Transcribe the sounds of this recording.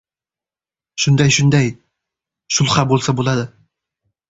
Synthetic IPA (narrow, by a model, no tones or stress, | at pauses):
ʃʊnd̪ajʃʊnd̪aj | ʃʊlˠχabolˠsabolˠad̪ɪ